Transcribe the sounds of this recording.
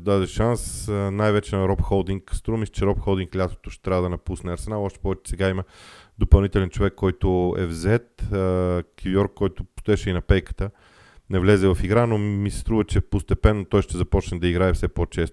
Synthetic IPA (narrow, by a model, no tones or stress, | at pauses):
d̪ad̪ɛʃansnajvɛt͡ʃɛnɐɾɔpxɔlˠd̪iŋkst̪ɾuvəmisɛ̥t͡ʃɛɾɔpxɔlˠd̪iŋklʲat̪o̥t̪ʊʃt̪ɛt̪ɾavəd̪ɐnɐpusnɛɐɾsɛnalˠɔʃt̪ɛ̥pɔvɛt͡ʃɛ̥sɛɡaiməd̪opɐlˠnit̪ɛlɛnt͡ʃovɛkːɔjt̪ʊɛ̰vzɛt̪ː | kʰibiɔɾkːɔjt̪ʊpst̪ʊɛʃɛinɐpɛjkə̥t̪ə | nɛvlʲɛzɛvɐfiɡɾanomisɛ̥st̪ɾuvət͡ʃɛpost̪ɛpɛnːot̪ɔjʃt̪ɛzɐpɔt͡ʃnɛd̪ɐiɡɾaɛfsɛpot͡ʃɛst̪ʊ